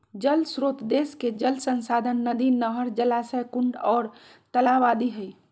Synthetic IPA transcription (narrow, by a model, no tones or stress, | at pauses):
d͡ʒəlsɾot̪d̪esked͡ʒəlsənsad̪ʱənːəd̪inəɦəɾd͡ʒəlasəjkuɳɖɔːɾ | t̪əlaʋad̪iɦəj